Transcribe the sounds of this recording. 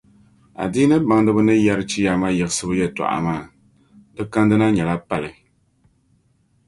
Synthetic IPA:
a̰˨diː˦nɨ˦ba˨ŋdɨ˦bɨ˦nɨ˦jɛ˦ɾɨ˦t͡ʃi˦ja˨ma˦jɛ˨ɣɨ˦sɨ˦bɨ˦jɛ˦ta̰˨ʔa̰˨maː˦˨ | dɨ˦ka˦ndɨ˦na˦ɲɛ˨la˦pa˨lɨ˨

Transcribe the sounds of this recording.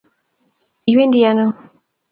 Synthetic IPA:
i˨we˦ndi˨ja˨no˦˨

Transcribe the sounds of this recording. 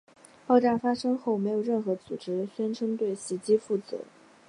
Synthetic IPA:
pɑ˥˧ʊʈ͡ʂa˥˩fa˥ʂɤ˥ŋxo˥˩ʊme˧˥ɪjo˨˩ʊɻə˥˩nxɤ˧˥t͡sṵ˨˩ʈ͡ʂɻ̩˥ɕɥɛ˥nʈ͡ʂʰɤ˥ŋt̪we˥˩ɪɕi˧˥t͡ɕi˥fu˥˩t͡sɹɤ̰˧˥

